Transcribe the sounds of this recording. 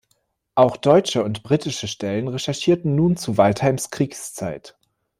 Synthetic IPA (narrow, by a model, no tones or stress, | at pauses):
ʔaʊxd̥ɔʏt͡ʃəʊntb̥ʁiːtɪʃəʃtɛlənʁɛʃɛɐʃiːɐtn̩nuːnt͡suvalthaɪmskʁ̥iːkst͡sa̰ɪt